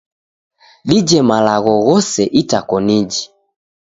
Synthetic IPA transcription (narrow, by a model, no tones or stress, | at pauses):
ɗid͡ʒɛmalaɣɔɣɔsɛʔitakɔnid͡ʒi